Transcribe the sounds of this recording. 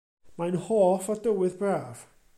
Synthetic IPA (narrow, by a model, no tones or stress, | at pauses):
majnhoːfɔdəwɪðbraːv̥